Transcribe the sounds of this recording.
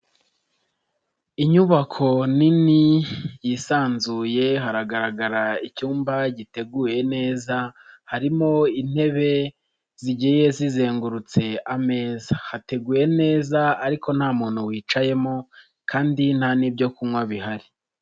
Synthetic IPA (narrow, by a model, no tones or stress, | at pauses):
iɲuβakʰo̞ninijisaːnzuːje̞ɦaɾaɡaɾaɡaɾaicuːmbaɟite̞ɡuːje̞ne̞ːzahaɾimo̞in̥he̞βe̞ | ziɟije̞zize̞ːŋɡuɾut͡se̞ame̞ːzahate̞ɡuːje̞ne̞ːzaːɾiko̞n̥haːmuːn̥huwiːt͡ʃaje̞mo | kʰaːndinanibjo̞kumŋwaβiɦaɾi